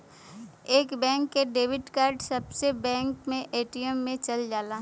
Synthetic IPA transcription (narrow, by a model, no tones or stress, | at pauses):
eːkbɛ̃ːŋkːeɖeːʋɪɖkaːɾɖsɐbsebɛ̃ːŋkmẽʔeːʈijəmːẽt͡ʃɐld͡ʒaːlaː